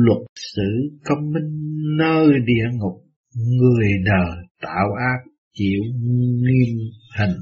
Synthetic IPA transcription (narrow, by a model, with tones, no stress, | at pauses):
lwə˨˩t̚sɨ̰˧˥kə˧wŋ͡mmï˧ŋ̟nəː˧jɗḭ˧˨əŋʊ˨˩k͡p̚ | ŋɨ˨˩əjɗəː˨˩t̪a̰ː˧˨wʔaː˦˥k̚ | t͡ɕḭ˧˨əwŋi˧əmhi˨˩ŋ̟